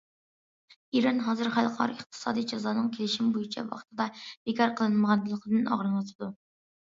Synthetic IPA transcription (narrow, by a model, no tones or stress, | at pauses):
iɾɑnɦɑːzɨɾχælˠqʰɑ̰ɾɨɪχt̪ʰɨ̥sɑ̰ːd̪ijd͡ʒɑzɑːnɨŋkʲʰelɪʃimbojit͡ʃʰɛ̰vɑ̰χt̪ʰɨd̪ɑb̥ekʰɑɾqʰəlˠɨnɨməʁɑnɨlˠəqʰəd̪ɨnɑ̰ʁɾɨnɑt̪ʰɨd̪u